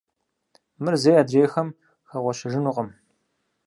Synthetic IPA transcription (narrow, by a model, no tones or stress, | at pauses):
mɨrzeːjaːdreːxɐm | xɐʁʷɔɕɪʒɪnuqʼəm